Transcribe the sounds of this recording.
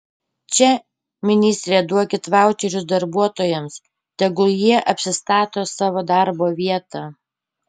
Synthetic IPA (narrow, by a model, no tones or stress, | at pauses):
t͡ʃʲɛ | mʲɪnʲɪːsʲt̪ʲɾʲed̪uɔkʲɪt̪ʋɑˑʊt͡ʃʲɛɾʲʊsd̪ɐɾbuɔt̪oːjɛms | t̪ʲɛɡʊjiɛʔɐpʲsʲɪst̪ɑːt̪oːsɑːʋoːd̪ɑɾboːʋʲiɛt̪ɑː